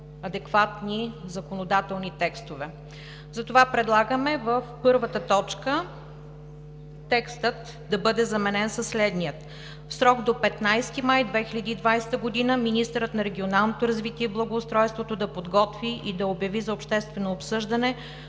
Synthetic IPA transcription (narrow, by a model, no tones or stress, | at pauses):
ɐd̪ɛkvat̪nizɐkonod̪at̪ɛlˠnit̪ɛkst̪ovɛ | zɐt̪ovapɾɛd̪lˠaɡəmɛvəfpɤɾvət̪ət̪ɔt͡ʃkə | t̪ɛkst̪ət̪ | d̪ɐbɤd̪ɛzɐmɛnɛnsəsːlɛd̪nijət̪ | fsɾɔɡd̪opɛt̪najst̪imajd̪vɛxilʲəd̪iːd̪vajsɛ̥t̪əɡod̪inəminist̪əɾət̪nɐɾɛɡʲionalˠnot̪oɾɐzvit̪iɛblˠɐɡoːst̪ɾɔjst̪vot̪od̪ɐpod̪ɡɔt̪viʔid̪ɐobjɐvizɐopʃt̪ɛst̪vɛnoːpsɤʒd̪ɐnɛ